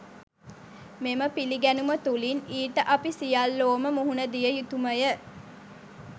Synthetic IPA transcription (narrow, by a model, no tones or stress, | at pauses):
meməpiliɡænumət̪uliniːʈəʔapisijalːoːməmuɦunəd̪ijəjut̪uməjə